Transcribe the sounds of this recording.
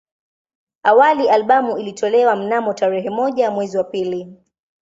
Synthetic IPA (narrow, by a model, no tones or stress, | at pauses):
awaliʔalɓamuilitʰɔlɛwam̩namɔtaɾɛɦɛmɔʄamwɛziwapili